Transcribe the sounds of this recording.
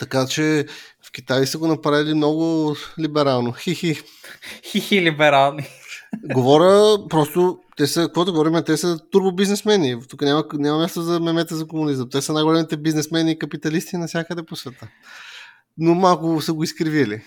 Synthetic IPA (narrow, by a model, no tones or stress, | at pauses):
t̪ɐkat͡ʃɛfk̟ʲit̪ajsəɡonɐpɾavilimnɔɡʊlibɛɾalˠnoxixi | xixilibɛɾalˠniɡovɔɾʲəpɾɔst̪ot̪ɛsəkkvɔt̪oɡovɔɾimɛt̪ɛsət̪uɾbobiznɛsmɛnit̪ukənʲamɐnʲamɐmʲast̪ozɐmɛmɛt̪əzɐkomunizəmt̪ɛsənajɡʊlɛmit̪ɛbiznɛsmɛnʲikɐpit̪ɐlist̪inɐfsʲakəd̪ɛposvɛt̪ə | nomalˠkʊsəɡʊiskɾivili